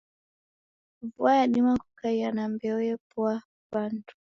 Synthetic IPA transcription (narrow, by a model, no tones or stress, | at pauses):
vuajaɗimakukaianambɛɔjɛpwa | βantu̥